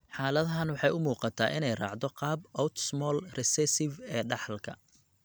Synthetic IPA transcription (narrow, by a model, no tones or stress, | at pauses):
ħaːlɐðɐɦɐnwɑħɑjʊmuːqɑt̪ʰa̰ːʔɪnɛjrɑ̰ːʕd̪ɔqɑːbɔwt̪smɔːlrɛsɛsɪvɛːɖɑħlkʰɐ̰